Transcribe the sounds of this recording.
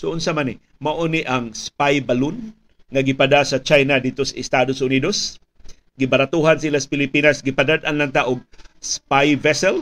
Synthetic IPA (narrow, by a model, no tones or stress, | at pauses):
soʊnsamanɪ | maʔoniʔaŋspajbalʊn | ŋaɡɪpad̪asat͡ʃajnad̪id̚t̪osaɪst̪ad̪osʊnid̪os | ɡɪbaɾat̪uɦansilasḁpɪlɪpinasɡɪpad̪ad̪anlant̪aʔʊɡ̚spajvɛsɛl